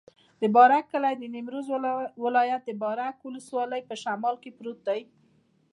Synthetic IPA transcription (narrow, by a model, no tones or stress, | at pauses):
d̪əbɑɾakːəlajd̪ənɪmɾozwɪlɑjat̪̚d̪əbɑɾakwʊləswɑləjpəʃamɑlkepɾot̪̚d̪aj